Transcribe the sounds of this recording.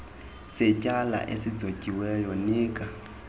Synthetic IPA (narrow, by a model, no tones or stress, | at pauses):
sɛcʼala̰ʔesizocʼiwɛjɔniːkʼa